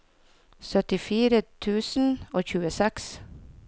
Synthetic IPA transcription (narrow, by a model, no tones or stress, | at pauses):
sœt̪ɪfiːɾət̪ʰʉːsn̩oːçʉːəsɛks